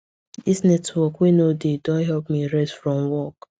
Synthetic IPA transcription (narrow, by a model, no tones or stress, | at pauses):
disnɛtwɔkwinodedɔ̃nɦɛlpmiɹɛsfɹɔ̃mwɔk